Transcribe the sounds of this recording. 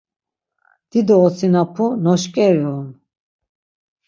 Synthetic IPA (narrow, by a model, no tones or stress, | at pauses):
d̪̥id̪ɔːt͡sʰinapʰunɔʃkʼɛɾɔun